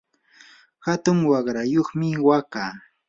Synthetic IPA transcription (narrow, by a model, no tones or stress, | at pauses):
hat̪ʊŋwɑɢɾajoχmɪwakaː